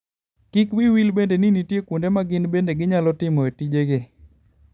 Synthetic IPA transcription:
kikwiwilbendeninitjekundemaɡɪnbendeɡɪɲalɔtɪmɔetid͡ʒeɡe

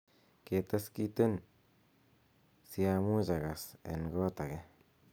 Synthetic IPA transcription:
ket̪askit̪en | siamud͡ʒaɣasḛŋɡot̪aɣe

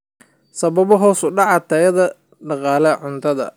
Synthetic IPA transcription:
sɐβɐβɔɦɔːsʊɖɑʕɑt̪ʰɐjɐðɐ | ɖɑqɑːlɛʕʊnt̪ʰɐðɐ̰

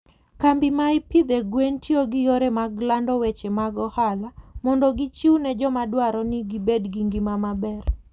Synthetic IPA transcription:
kambɪmaɪpid̪ɛɡwentʰioɡɪjoɾɛmaɡlandɔwɛt͡ʃɛmaɡɔhalamɔndɔɡit͡ʃiunɛd͡ʒɔmadwaɾɔnɪɡibedɡiŋɡimamabɛr

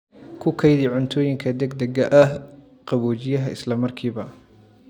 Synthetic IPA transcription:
kʰʊkʰɐjðɪʕʊnt̪ʰɔːjɪŋkʰɐd̪ɐɡ̚d̪ɐɡɐʔɐh | qɑβɔːt͡ʃɪjɐɦɐɪ̰slɐmɐrkʰiːβɐ

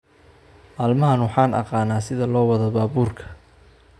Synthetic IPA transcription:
maːlmɐɦɐnwɑħɑːnɑ̰qɑːnaːsɪðɐlɔːwɐðɐbaːbuːrkʰɐ̥

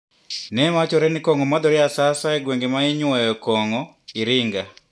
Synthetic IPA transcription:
nɛmat͡ʃɔɾɛnɪkɔŋɔmɔd̪ɔɾɪasasaɛɡweŋɡemaiɲwɔjɔkɔŋɔ | iɾɪŋɡa

